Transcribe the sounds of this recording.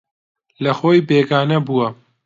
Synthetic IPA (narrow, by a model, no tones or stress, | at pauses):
lɐxoːjbeːɡaːnɐbuwɐ